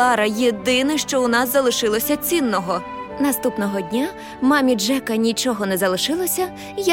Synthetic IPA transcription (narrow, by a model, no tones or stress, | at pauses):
ɑɾɐjed̪ɪnɪʃt͡ʃɔʊnɑzːɐlˠɪʃɪlˠɔsʲɐt͡sʲinːɔɦɔ | nɐst̪upnɔɦɔdʲnʲa | mɑmʲid͡ʒɛkɐnʲit͡ʃɔɦɔnɛzɐlˠɪʃɪlˠɔsʲɐ | j